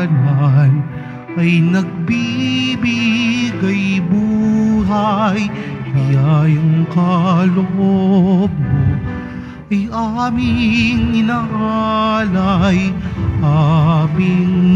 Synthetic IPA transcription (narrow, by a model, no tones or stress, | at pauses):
lan | ʔɐjnɐɡ̚bibiɡɐjbuːɦɐjjajʊŋkɐloʔob̚no | ʔɐjamɪŋɪnaʔalajʔaːmɪŋ